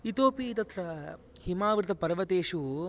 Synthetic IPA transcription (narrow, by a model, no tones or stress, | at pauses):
it̪oːpit̪ɐt̪ɾɐ | himaːʋɾt̪ʰɐpɐɾʋɐt̪eːʂu